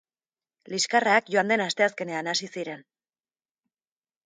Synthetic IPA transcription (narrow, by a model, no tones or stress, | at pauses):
liskaraːkʝo̞and̪e̞nast̪e̞aske̞ne̞anasisiɾe̞n